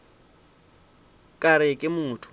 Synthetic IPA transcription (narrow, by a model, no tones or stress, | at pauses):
kʼaɾɪkʼɪmʊːtʰʊ̥